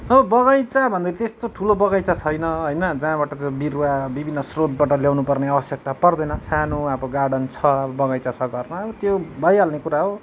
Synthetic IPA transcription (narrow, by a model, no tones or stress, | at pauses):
ʌbʌbʌɡʌjt͡sabʱʌnd̪ʌɾit̪est̪oʈʰulobʌɡʌjt͡sat͡sʰʌjnʌɦojnʌd͡zaãbaʈʌt̪obirwabibʱinːʌsrod̪̚baʈʌljawnupʌrneabʌsjʌk̚t̪apʌrd̪ʌjnʌsanuʌbʌɡaɽʌnt͡sʰʌʌbʌbʌɣʌjt͡sasʰʌɡʌrnʌːbʌt̪jobʱʌjalnekuɾaɦo